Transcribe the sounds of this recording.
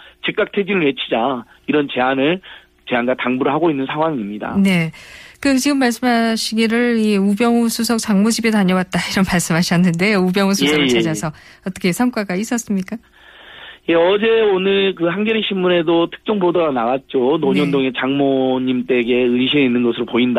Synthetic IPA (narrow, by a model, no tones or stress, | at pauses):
t͡ɕik͈̚ak̚tʰed͡ʑinɯɭwe̞t͡ɕʰid͡ʑa | iɾʌnt͡ɕe̞anɯɭ | t͡ɕeanɡataŋbuɾɯɭhaɡoinːɯnsʰaŋwaŋimɲida̰ne̞kɯt͡ɕiɡɯmːaɭs̬͈ɯmɦaɕʰiɡiɾɯɭiubjʌŋusʰusʰʌk̚t͡ɕaŋmod͡ʑibedaɲʌwat̚t͈aiɾʌnmaɭs͈ɯmɦaɕʰiʌnːɯnde̞ubjʌŋusʰusʰʌɡɯɭt͡ɕad͡ʑasʰʌ | ʌt͈ʌkʰe̞sʰamk͈waɡais͈ʌs͈ɯmɲik͈a | je̞ʌd͡ʑe̞onɯɭkɯhanɡʌɾiɕʰimːune̞dotʰɯ̥k̚t͡ɕ͈ʌŋbodoɡanaɡat̚t͡ɕ͈onoɲɲʌndoŋe̞t͡ɕaŋmoɲimt͈e̞ɡe̞ɯɕʰineinːɯnɡʌsʰɯɾopoinda